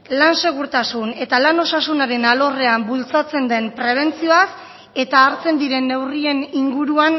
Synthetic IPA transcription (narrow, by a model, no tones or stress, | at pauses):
lanse̞ɣ̞uɾt̪asune̞t̪alano̞sasunaɾe̞nalo̞re̞ambult͡sat͡se̞nd̪e̞mpɾe̞β̞e̞nt͡sio̞as | e̞t̪aːɾt͡se̞nd̪iɾe̞nːe̞wrie̞niŋɡuɾuan